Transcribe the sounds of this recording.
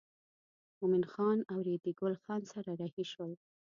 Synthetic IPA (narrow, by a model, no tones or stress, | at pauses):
mʊminxɑnawɾed̪iɡʊlxɑnsaɾaɾahiʃwəl